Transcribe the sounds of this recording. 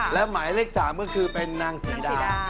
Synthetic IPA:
lɛ˦˥wmaː˩˦jleː˥˩k̚saː˩˦mkɔ˥˩kʰɯː˧pe˧nːaː˧ŋsiː˩˦daː˩˦˧

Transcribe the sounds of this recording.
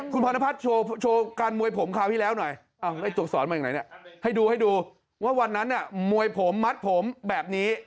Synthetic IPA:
kʰu˧npʰɔː˧na˦˥pʰa˦˥t̪̚t͡ɕʰoː˧t͡ɕʰoː˧kaː˧nmu˧əjpʰo˩˦mkʰaː˨˩wt̪ʰiː˥˩lɛː˦˥wnɔ˨˩j | ʔa˧˩wda˥˩jt̪u˨˩əsɔː˩˦maː˧jaː˨ŋa˨˦jni˧˩ha˥˩jduː˧ha˥˩jduː˧ | waː˥˩wa˧nːa˦˥nːa˧˩mu˧əjpʰo˩˦mːa˦˥t̪̚pʰo˨˩˦mbɛː˨˩p̚niː˦˥

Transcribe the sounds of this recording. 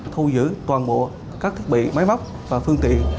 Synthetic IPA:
t̪ʰu˧zɨ̰˧˥t̪waː˨˩nɓo̰˧˨ | kaː˦˥kt̪ʰi˦˥t̚ɓḭ˧˨ma˨˦jma˦˥wk͡p̚ | vaː˨˩fɨ˧əŋt̪ḭ˧˨ən

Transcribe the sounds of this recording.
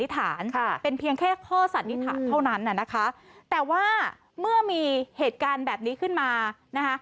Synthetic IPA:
i˦˥t̪ʰaː˩˦n˧pe˧npʰi˧əŋkʰɛː˥˩kʰɔː˥˩sa˨˦nːi˦˥t̪ʰaː˦˩˦nt̪ʰa˥˩wna˦˥nʔa˨˩na˦˥kʰa˦˥t̪ɛː˨˩waː˥˩ | mɯ˥˩ɐmiː˧heː˨˩t̪̚kaː˧nbɛː˨˩p̚niː˦˥kʰɯ˥˩nmaː˧na˦˥kʰa˦˥

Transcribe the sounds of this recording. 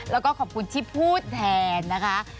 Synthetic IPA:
lɛː˦˥wkɔː˥˩kʰɔː˨˩p̚kʰu˧nt̪ʰiː˥˩pʰuː˥˩t̪̚ːʰɛː˧nːa˦˥kʰa˦˥

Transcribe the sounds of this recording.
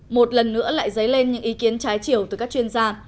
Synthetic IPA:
mo˨˩t̚lə˨˩nːɨ̰˧˥əla̰ː˧˨jzə˨˦jle˧nɲɨ̰˧˥ŋʔi˨˦ki˨˦ənt͡ɕaː˨˦jt͡ɕi˧˩əwt̪ɨ˨˩kaː˦˥k̚t͡ɕwi˧ənzaː˧

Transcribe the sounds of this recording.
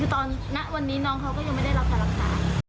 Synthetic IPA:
ɯː˧˩t̪ɔː˧nːa˦˥ʔwa˧nːiː˦˥nɔː˧ŋɦa˧wkɔː˥˩ja˧ŋma˥˩jda˥˩jla˦˥p̪̚ʰaː˧˩la˨˩k̚saː˨˦

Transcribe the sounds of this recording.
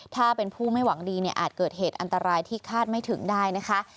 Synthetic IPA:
t̪ʰaː˥˩pe˧npʰuː˥˩ma˥˩jwa˩˦ŋdiː˧ni˥˩ʔa̰ː˨˩t̪̚kɤː˨˩t̪̚heː˨˩t̪̚ʔa˧nt̪a˧ɾaː˧jt̪ʰiː˥˩kʰaː˥˩t̪̚ma˥˩jt̪ʰɯ˩˦ŋdaː˥˩jna˦˥kʰa˦˥

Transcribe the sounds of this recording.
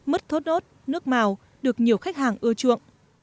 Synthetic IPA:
mɨ˦˥t̚t̪ʰo˦˥t̚no˦˥t̚nɨ˦˥ək̚maː˨˩w | ɗɨ˨˩ək̚ɲi˨˩əwxa˦˥k̚haː˨˩ŋʔɨ˧ət͡ɕṵ˧˨əŋ

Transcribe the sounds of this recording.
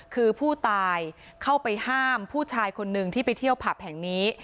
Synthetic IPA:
kʰɯː˧pʰuː˥˩t̪aː˧j | kʰa˥˩wpa˧jhaː˥˩mpʰuː˥˩t͡ɕʰaː˧jkʰo˧nːɯ˨˩ŋt̪ʰiː˥˩pa˧jt̪ʰi˥˩əwpʰa˨˩p̚hɛ˨˩˦ŋniː˦˥

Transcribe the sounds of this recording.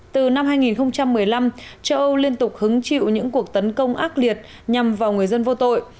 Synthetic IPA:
t̪ɨ˨˩na˧mhaː˧jŋi˨˩nxə˧wŋ͡mt͡ɕa˧mːɨ˨˩əjla˧mt͡ɕə˧wʔə˧wli˧ənt̪ʊ˨˩k͡p̚hɨ˨˦ŋt͡ɕḭ˧˨wɲɨ̰˧˥ŋku˨˩ək̚t̪ə˨˦nkə˧wŋ͡mʔaː˦˥t̚li˨˩ət̚ | ɲa˨˩mvaː˨˩wŋɨ˨˩əjzə˧nvo˧t̪o̰˧˨j

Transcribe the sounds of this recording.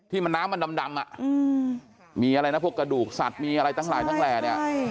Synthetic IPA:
t̪ʰiː˥˩ma˧nːaː˦˥mːa˧nda˧mda˧mʔa̰˨˩ʔ | miː˧ʔa˧ɾa˧jna˦˥pʰu˥˩əkːɾa˧duː˨˩k̚sa̰˨˩t̪̚miː˧ʔa˧ɾa˧jt̪ʰa˥˩ŋlaː˨˦t̪a˥˩ŋlɛː˨˩na˦˥˩

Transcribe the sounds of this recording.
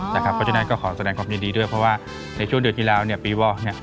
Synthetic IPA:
t̪ɛː˨˩kʰa˦˥pʰːɔ˧˥t͡ɕʰːna˦˥nkɔː˥˩kʰɔː˩˦sa˧dɛː˧ŋkʰwaː˧mji˧˦diː˧du˥˩əjpʰɾɔ˧˥waː˥˩ | na˧jt͡ɕʰu˥˩əŋdɯ˨˩ənpʰiː˧laː˧wni˥˩əpiː˧wɔː˧˩k̚ni˥˩ɐ

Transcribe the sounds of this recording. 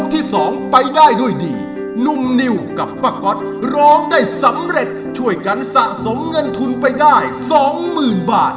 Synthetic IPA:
k̚t̪ʰiː˥˩sɔː˩˦ŋpa˧jdaː˥˩jduː˥˩əjdḭː˧˩ | nu˨˩mni˧wka˨˩pːaː˧˩kɔ˦˥t̪̚ | ɾɔː˦˥ŋdaː˥˩jsa˨˩˦mɾe˨˩t̪̚t͡ɕʰu˥˩əjka˧nsa˨˩ʔso˩˦mŋɤ˧nt̪ʰu˧npa˧jdaː˥˩jsɔː˩˦ŋmɯː˨˩nbaː˨˩t̪̚

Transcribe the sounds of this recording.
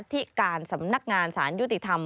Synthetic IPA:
t̪ʰi˦˥kaː˧nsa˩˦mna˧˦˥k̚ŋaː˧nsaː˩˦nju˥t̪i˧˩t̪ʰa˧m

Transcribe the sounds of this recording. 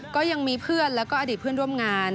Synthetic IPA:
kɔː˥˩ja˧ŋmiː˧pʰɯ˥˩ənlɛː˦˥wkɔː˥˩ʔa˧diː˨˩t̪̚ʰɯ˥˩ənɾu˥˩əmŋaː˧n

